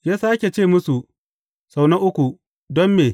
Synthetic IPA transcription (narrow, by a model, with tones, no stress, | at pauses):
jeː˦sa˦ʔa˦kʲeː˨t͡ʃeː˦˨mʊ˦su˨ʔ | sa˨wnɐ˦ʔʊ˦kʷu˨ | dɔ˦mːeː˨